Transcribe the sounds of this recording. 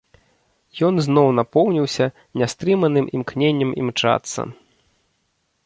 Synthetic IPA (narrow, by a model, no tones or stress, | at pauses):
jɔnznɔwnapɔwnʲiwsʲɐ | nʲast̪ɾɨmɐnɨmʔḭmknʲenʲːɐmḭmt͡ʂa̰t̪sːɐ̰